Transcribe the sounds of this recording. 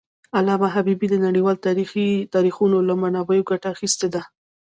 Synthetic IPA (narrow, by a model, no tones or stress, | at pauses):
alɑmaɦabibid̪ənaɽiwɑlt̪ɑɾixit̪ɑɾixunolamanɑbəjoɡaʈaːxist̪ed̪a